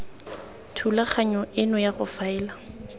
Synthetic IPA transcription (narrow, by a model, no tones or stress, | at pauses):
tʰulaχaɲɔʔɪnɔjaɣʊfaɛːla